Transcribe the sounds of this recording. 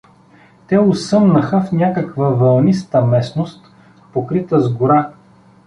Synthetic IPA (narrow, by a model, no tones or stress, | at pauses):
t̪ɛʊsɤmnəxəfnʲakəkvəvɐlˠnist̪əmɛsnost̪ | pokɾit̪əzɡʊɾa